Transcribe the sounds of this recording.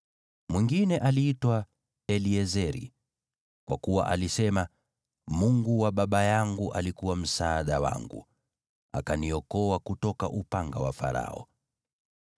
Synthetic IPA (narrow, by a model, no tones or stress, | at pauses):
mwiŋɡinɛʔaliːtwa | ɛliɛzɛɾḭ | kwakuwa̰ʔalisɛma | muŋɡuwaɓaɓajaŋɡuʔalikuwam̩saːɗawa̰ŋɡṵ | a̰kaniɔkɔakutɔka̰ʔupaŋɡawa̰fa̰ɾa̰ɔ̰